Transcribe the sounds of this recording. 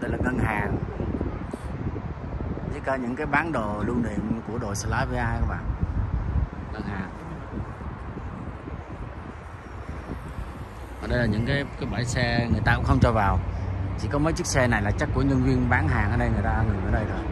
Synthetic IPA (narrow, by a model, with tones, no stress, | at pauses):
ɗə˧jlaː˨˩ŋə˧nɦaː˨˩ŋ | ɗi˦˥kaː˧ɲɨ̰˧˥ŋkaː˨˦jɓaː˨˦nɗo˨˩lu˧nɗḭ˧˨əmku˧˩əɗo˨˩jsə˧˩laː˨˦və˨˧˦ʔaː˧jkə˨˧˦ŋ͡mɓa̰ː˨n | ŋə˧nhaː˨˩ŋ | vɔː˨˩ɗə˧jlaː˨˩ɲɨ̰˧˥ŋkaː˨˦jkaː˨˦jɓaː˧˩˦jsɛ˧ŋɨ˨˩əjt̪aː˧kʊ̰˧˥ŋ͡mxə˧ŋ͡mt͡ɕɔ˧˩vaː˨˩wt͡ɕi˧˩kɔ˨˦məː˨˦jt͡ɕɨ˦˥k̚sɛ˧na˨˩jlaː˨˩t͡ɕa˦˥k̚kːu˧˩əɲə˧nvi˧ənɓaː˨˦nɦaː˨˩ŋʔəː˧˦ɗə˧jŋɨ˨˩əjt̪aː˧ŋɨ˨˩ŋʔəː˧˩ɗə˧jt̪ʰo˧˩j